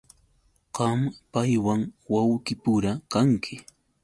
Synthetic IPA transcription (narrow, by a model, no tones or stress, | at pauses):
ɢ̥ɑmpajwaŋwawkɪpʊɾakaŋkʰɪ